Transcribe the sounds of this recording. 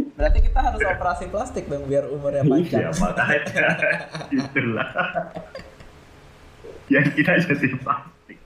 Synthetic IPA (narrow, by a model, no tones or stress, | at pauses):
bəɾart̪ikit̪aɦaɾʊsopeɾasiplast̪ɪk̚daŋbiarumʊrjamaaja̰mat̪aɦat̪ait̪ula̰h | jaŋkit̪ad͡ʒad̪iplast̪ɪk̚